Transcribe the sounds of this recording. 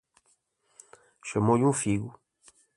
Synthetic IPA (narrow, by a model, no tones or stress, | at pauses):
ʃɐmod͡ʒũfiɡu